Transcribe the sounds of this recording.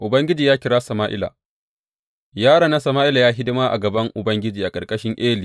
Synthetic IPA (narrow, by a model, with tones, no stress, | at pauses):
ʔʊ˨bɐ˦ŋɡʲɪ˦d͡ʒiː˨jaː˦kʲɪ˦ɾaː˦sɐ˨maː˦ʔɪ̰˦la̰˨ | jaː˦ɽaː˨na˦sɐ˨maː˦ʔɪ˦la˨jaː˦ɦɪ˦dɪ˦maː˦ʔa̰˨ɡɐ˨bɐ˦ŋʔʊ˨bɐ˦ŋɡʲɪ˦d͡ʒiː˨ʔa˨kʼɐ˨rkʼɐ˦ʃɪ˦ŋʔeː˦liː˨